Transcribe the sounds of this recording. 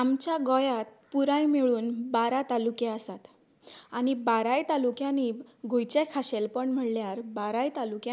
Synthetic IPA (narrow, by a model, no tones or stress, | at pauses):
amt͡ɕjaɡɔjat̪̚puɾãjmeɭuːnbaɾat̪alukeəsat̪ | añibaɾajt̪alukjãniɡʱojt͡ɕekʰaɕelpəɳm̤əʈljaɾbaɾajt̪alukjã